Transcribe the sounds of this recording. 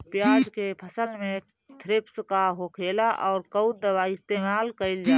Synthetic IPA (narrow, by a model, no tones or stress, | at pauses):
pjaːd͡ʒkepʰəsəlmẽ | t̪ʰɾɪpskaɦoːkʰeːlaʔɔːɾkəʊd̪əbaɪst̪eːmaːlkəɪld͡ʒaː